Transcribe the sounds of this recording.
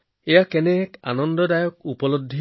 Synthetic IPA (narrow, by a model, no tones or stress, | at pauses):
ejakɛnɛka̰nɔnd̪ɔdajɔk̚upɔlod̪ʱːi